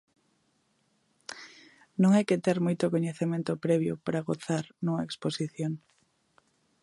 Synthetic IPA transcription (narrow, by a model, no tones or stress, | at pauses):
nõŋɛjket̪ɛɾmojt̪okoɲeθemẽnt̪opɾɛβ̞jʊpɾaɣoθaɾnuŋɐeksposiθjoŋ